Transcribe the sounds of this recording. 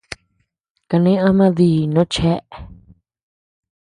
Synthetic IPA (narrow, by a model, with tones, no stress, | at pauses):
ka˧nẽ˦ã˦mã˦ði˧˦˨nõ˦t͡ʃe˦ʔ